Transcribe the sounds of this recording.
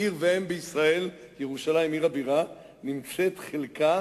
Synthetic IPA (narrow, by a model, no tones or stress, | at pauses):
iʁveembeisʁae̞l | jeʁuʃalajmiʁabiʁa | nimt͡se̞t̪χelka